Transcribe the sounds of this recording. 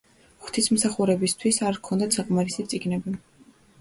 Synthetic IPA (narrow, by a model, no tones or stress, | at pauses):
χt̪ʰismsaχuɾɛbist̪ʰwisaɾkʰɔnd̪at̪saqʼmaɾisit̪sʼiɡnɛbi